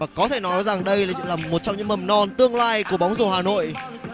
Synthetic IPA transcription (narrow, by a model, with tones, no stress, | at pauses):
vaː˨˩kɔ˨˦t̪ʰe˧˩nɔ˨˦jza˨˩ŋɗə˧jlaː˨˩˧laː˨˩mo˨˩t̚t͡ɕɔ˧wŋ͡mɲɨ̰˧˥ŋ͡mmə˨˩mnɔ˧nt̪ɨ˧əŋlaː˧jku˧˩əɓa˨˦wŋ͡mzo˨˧˩haː˨˩no̰˧˨jʔ